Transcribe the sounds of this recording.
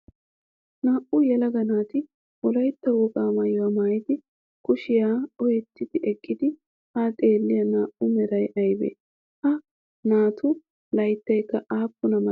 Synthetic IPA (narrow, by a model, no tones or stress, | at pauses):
naːʔʊjɛlɐɡɐnaːt̪ɪ | wɔlɐjt̪ːɐwɔkʼaːmɐjwɐmaːjɪt̪ɪ | kʊʃɪjaːɔjɛt̪ːɪd̪ɪʔɛkʼːɪd̪ɪ | hat̪ʼe̞ːlːɪjɐnaːʔʊmɛɾɐjʔɐjbḛː | hɐ | naːt̪ʰʊ | lɐjt̪ːɐjkːɐʔaːpːʊnɐmɐ